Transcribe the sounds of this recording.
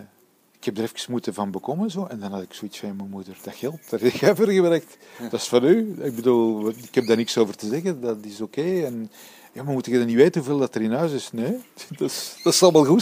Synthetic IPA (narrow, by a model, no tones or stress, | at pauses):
ɪkhɛb̚dəɾɛfkə̥smutəvɑnbəkɔmənzoːʔɛndɑnɦɑdɪksoitsfɑnjamɛmudərdɑxɛlˠt̚darɛkɛvərɣəbɾɛk̚t | d̥ɑsfɑnyɪɡ̚bəduːlˠɪkhɛb̚daːrnɪksoːvərtəzɛɣədɑtɪsokeːɛn | jaːmamutɪɡdɑniʋeːtənɦuveːlˠdɑtəɾɪnɦœːzɪsneːdɑsd̥ɑsɑlˠmalˠɣut